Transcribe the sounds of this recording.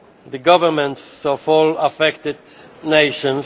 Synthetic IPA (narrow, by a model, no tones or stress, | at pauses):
ðəɡɔvəɾmɛ̃ntsɔvɔlafɛkt̪ɪd̪neɪʃɔ̃ns